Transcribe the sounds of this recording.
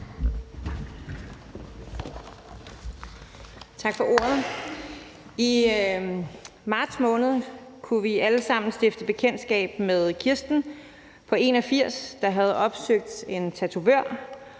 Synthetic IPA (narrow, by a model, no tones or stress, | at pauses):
t͡sʰɑ̈ɡ̥fɒ̽ʔo̝̰ːɐð̩ˠ | i | mɑ̈ːd̥smɔ̽ːnð̞̩ˠkʰuʋiæləsɑ̈m̰n̩sd̥efd̥əb̥e̝kʰen̰d̥sɡ̥ɛ̰ːb̥̚meðˠkʰiɐsd̥n̩ | pʰɒ̽e̝ːnɒfiɐ̰sd̥ɑ̈ɦæð̞ˠɒ̽b̥søɡ̥̚d̥e̝nt͡sʰæt͡sʰuʋøɐ̰